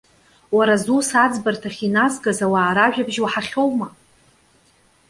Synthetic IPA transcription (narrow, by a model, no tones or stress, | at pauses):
waɾazusad͡zbartʰaχʲinazɡazawaːɾaʒᶣabʒwaħaχʲo̞wma